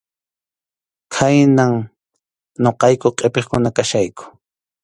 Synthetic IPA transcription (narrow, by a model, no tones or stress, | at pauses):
kʰajnaŋ | ɲoqɑjkoqʼepeχkʊnakaʃajkʊ̥